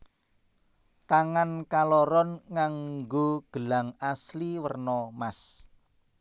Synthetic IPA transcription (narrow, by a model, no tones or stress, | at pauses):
t̪aŋankalɔɾɔnŋaŋɡoɡ̥ə̤laŋasliwərnɔmas